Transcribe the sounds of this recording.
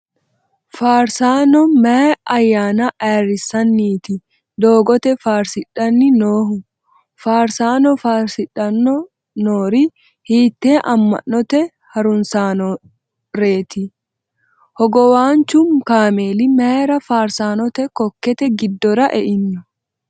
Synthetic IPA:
faːɾsaːnɔmɐɐjːaːnɐʔaːɾɪsɐnːiːt̪ɪ | d̪oːɡɔt̪ɛfaːɾsɪᶑɐnːɪnoːhʊ | faːɾsaːnɔfaːɾsɪᶑɐnːɔ | noːɾɪ | hiːt̪ːeːʔɐmːɐ̰nːɔt̪ɛ | hɐɾʊnsaːnɔ | ɾe̞ːt̪ɪ | hɔɡɔwaːnt͡ʃʊmkaːmeːlɪmeːɾɐfaːɾsaːnɔt̪ɛkɔkːɛt̪ɛɡɪd̪ːɔɾɐʔɛʔɪnːʊ

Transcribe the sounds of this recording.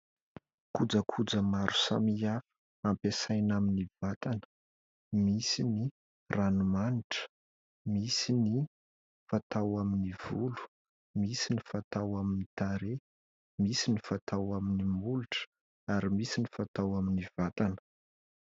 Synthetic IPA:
kud͡zəkʰud͡zəmaɾu̥sa̰miafə̥ | ampesajnaminiv̥at̪anə̥ | misini | ranumaniʈ͡ʂə̥ | misini | fat̪awaminiv̥ulu̥ | misinifat̪awaminit̪aɾe | misinifat̪awaminimuluʈ͡ʂə̥ | aɾimisinifat̪awaminivat̪anə̥

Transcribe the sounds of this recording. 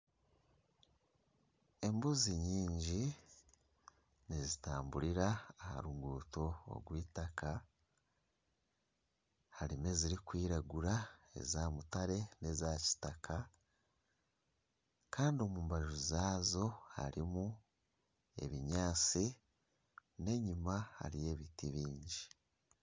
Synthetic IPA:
e̞mbuziɲiːɲɟi | nizitaːmbuɾiɾaːha̰ɾuŋɡuːto̞̰ːɡwiːtaka | haɾime̞ziɾikwiːɾaɡuɾae̞̰zaːmutaɾe̞ne̞zaci̥takʰa | kaːndio̞muːmbaɾiɾozaːzo̞ha̰ɾimu | e̞̰βiɲaːt͡si | ne̞ɲimaha̰ɾije̞ːβitiβiːɲɟi

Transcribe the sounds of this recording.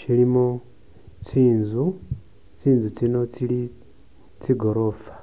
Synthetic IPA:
ʃilimo | t͡siːnzu | t͡siːnzut͡sino̞t͡sili | t͡siɡo̞ɾo̞fḁ

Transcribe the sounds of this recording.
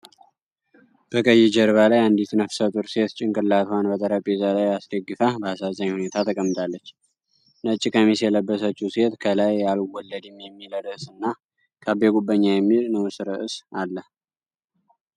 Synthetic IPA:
b̥əkʼəjːɛd͡ʒəɾβalajand̪it̪ʰɨnafsət̪ʼuɾse̞t̪t͡ʃʼɪŋkʼɨlːat̪ʰwanbət̪ʼəɾapʼezalajasd̪əɡːɨfabəasazʼaɲːhune̞t̪ʰat̪ʰəkʼəmːɨt̪ʼalːət͡ʃː | nət͡ʃʼːikʼəmisjɛləbːəsət͡ʃːuse̞t̪kʰəlajalwɔlːəd̪ɛmjɛmːiləd̪əsɨnːa | kʰabeɡubːəɲːajɛmːilnɨwusɨɾɨʔɨsalːəh

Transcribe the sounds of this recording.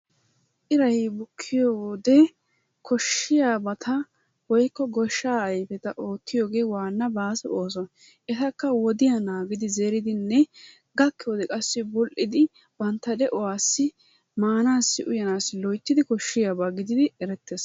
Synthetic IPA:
ʔɪɾɐjbʊkʰːɪjoːwɔd̪ɛ | kʰɔʃːɪjaːbɐt̪ʰɐ | wɔjkːɔɡɔʃːaːɐjfɛt̪ɐʔoːt̪ːɪjoːɡe̞ːwaːnːɐbaːsɛʔoːs̬ɔn | ʔɛt̪ɐkːɐwɔd̪ɪjanaːɡɪd̪ɪzeːɾɪd̪ɪnːɛ | ɡɐkːɪwɔd̪ɛkʼɐsːɪbʊlʔɪd̪ɪ | bɐnt̪ːɐd̪ɛʔɔwaːsːɪ | maːnaːsːɪʔʊjɐnaːsɪlɔjt̪ːɪd̪ɪkɔʃːɪjaːbaɡɪd̪ɪd̪ɪɛɾɛt̪ːes

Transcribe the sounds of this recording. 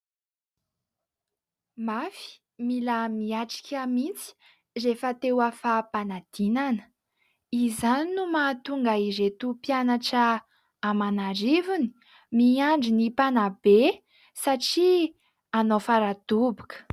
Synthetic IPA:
mafi̥ | milamiaʈ͡ʂi̥kʲʰamint͡si̥ | refət̪ewafapanad̪̥inanə̥ | izaninumat̪uŋɡaizet̪upjanaʈ͡ʂəː | manarivuni̥ | miaɳɖ͡ʐinipanabe | saʈ͡ʂi | anofaɾad̪̥ubu̥kə̥

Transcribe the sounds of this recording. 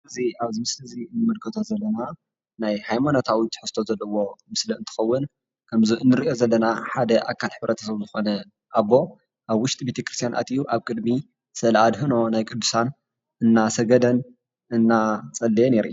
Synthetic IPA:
ɨziaβzimɨslɨzinːɨmɨlkʰɨt̪ʰozɐlːɐna | najhajmanot̪ʰawit̪ħɨst̪ʰozɐlːɐwo̞mɨsliɨnt̪ʰɨ̥xɐwːʊn | kʰɐmziʔɨnːɨɾiʔjo̞zɐlːɐnaħad̪ɐʔa̰kʰːalħɨβɾɐt̪ʰɐ̥sɐβzɨxo̞nɐ | ʔaβːo̞ | ʔaβwʊʃt̪ʼibe̞t̪ʰekɾɨst̪ijanʔa̰t̪ijuʔaβkʼɨd̪mi | sɐlʔad̪ɦɨno̞najkʼɨd̪ːusan | ʔɨnːasɐɡɐd̪ɐn | ɨnːat͡sʼɐlːɐjeneɾʔju

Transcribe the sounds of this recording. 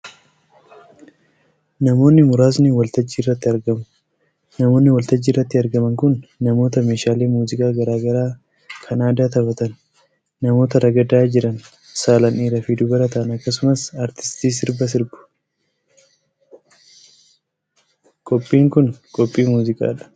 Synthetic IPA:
nɐmo̞ːnːɪmʊɾaːs̬nɪwɐlt̪ɐd͡ʒːiːrːɐt̪ːɪɐɾɡɐmʊ̥ | nɐmo̞ːnːɪwɐlt̪ɐd͡ʒːiːrːɐt̪ːɪɐɾɡɐmɐŋkʊnːɐmo̞ːt̪ɐmeːʃaːleːmuːzɪkʼaːɡɐɾaːɡɐɾaː | kʰɐnaːd̪aːt̪ɐbɐt̪ɐnː | ɐmo̞ːt̪ɐɾɐɡɐd̪aːd͡ʒɪɾɐn | saːlɐniːɾɐfid̪ʊbɐɾɐt̪ɐʔɐnɐkːɐs̬ʊmɐsaːɾt̪ɪ̥st̪iːs̬ɪɾbɐs̬ɪɾbʊ̥ | kʼɔpʼːiːŋkʊnkʼɔpʼːiːmuːzɪkʼa̰ːᶑɐ̥

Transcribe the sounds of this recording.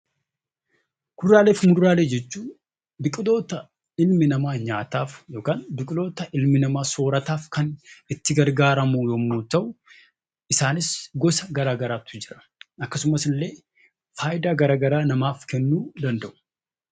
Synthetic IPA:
kʊd̪ɾaːle̞ːfmʊd̪ɾaːle̞ːd͡ʒɛt͡ʃːuː | bɪkʼɪlo̞ːt̪ɐ | ɪlmɪnɐmaːɲaːt̪aːfjo̞ːkaːnbɪkʼɪlo̞ːt̪ɐʔɪlmɪnɐmaːso̞ːɾɐt̪aːfkɐnɪt̪ːɪɡɐɾɡaːɾɐmujomːoːt̪ːɐʔʊ | ɪsaːnɪsɡɔsɐɡɐɾaːɡɐɾaːt̪ːʊd͡ʒɪɾɐ̥ | ɐkːɐsʊmɐsɪlːe̞ː | faːjɪd̪aːɡɐɾaːɡɐɾaːnɐmaːfkɛnːuːd̪ɐnd̪ɐʔʊ̥

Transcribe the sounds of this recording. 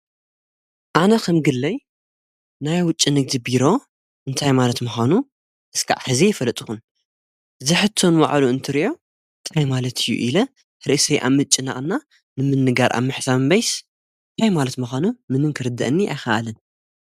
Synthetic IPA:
ʔanɐkʰɐmɡɨlːɐj | najwʊt͡ʃʼːinɨɡd̪ibiɾo̞ | ʔɨnt̪ʰajmalɐt̪muxanu | ʔɨskʰa̰ʕħɨzijɛfɐlːɐt̪ʼɨxun | zɨħɨt̪ʰːo̞nwa̰ʕluɨnt̪ʰɨɾiʔo̞ | ɨnt̪ʰajmalɐt̪ʰijːṵʔilɐ | ɾɨʔseʔa̰βmɨt͡ʃʼːɪna̰ʔʼnːa | nɨmɨnːɨɡaɾʔa̰mɨħsambɐjs | ɨnt̪ʰajmalɐt̪muxʷanumɨnɨnkʰɨɾɨd̪ːɐʔɨnːia̰jxɐʔa̰lɨn

